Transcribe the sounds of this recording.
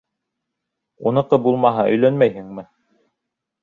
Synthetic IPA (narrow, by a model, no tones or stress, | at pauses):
unɤ̆qɤbulˠmɑɦɑʔɵ̆jlænmæjhɘŋmɘ